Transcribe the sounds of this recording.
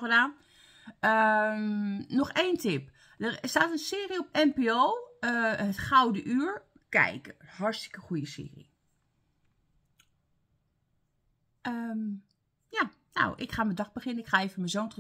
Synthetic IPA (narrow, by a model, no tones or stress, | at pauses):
ədaːn | əmnɔxeːntʰɪp | dərstaːtənsɪːəriopɛmpeoːəətxawdəʔyəɹ | kɛ̰jkhɔɹstɪ̥kəxujəsɪ̰ːərḭ | əm | ja | na̰wʔɪkxaːmədɔxbəxɪnənɪkxaːeːvəmənzoːntr